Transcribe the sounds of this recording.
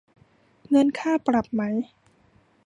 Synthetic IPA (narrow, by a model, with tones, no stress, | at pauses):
ŋɤ˧nkʰaː˥˩pɾa˨˩p̚ma˦˥j